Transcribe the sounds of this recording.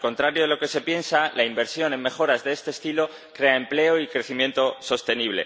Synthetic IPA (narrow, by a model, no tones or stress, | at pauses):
lko̞nt̪ɾaɾjoðelo̞ke̞se̞pje̞nsalaimbe̞ɾsjo̞ne̞mme̞xo̞ɾazðeest̪eːst̪ilo̞ | kɾe̞ae̞mple̞oikɾe̞θimje̞nt̪o̞so̞st̪e̞niβ̞le̞̰